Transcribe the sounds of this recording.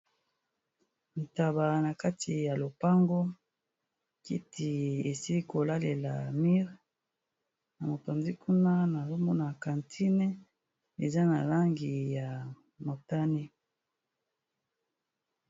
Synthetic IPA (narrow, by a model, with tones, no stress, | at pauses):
n̩˨ta˨ba˨na˨ka˦tʰi˨ja˨lo˨pa˦ŋɡo˦ | kḭ˦tʰi˨e˨si˦ko˨la˦le˨la˨mi˦ʁ | na˨mo˨pa˨nzi˦kʰu˦na˦na˨zo˦mɔ˦na˨ka˨ntʰi˦nɛ˦ | e˨za˦na˨la˦ŋɡi˨ja˨ | mo˨ta˦ni˦